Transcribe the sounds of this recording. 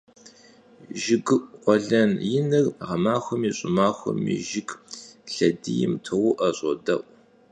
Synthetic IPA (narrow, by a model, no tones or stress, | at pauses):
ʒɪɡɨʔqʷɔɮɐnjɪnɨrʁɐmaːxʷɔmiːɕʼɪmaːxʷɔ̰mḭʒɪɡɬɐdijɪ̰mtʰɐwʊʔɐɕʼɔ̰dɐʔʷʼ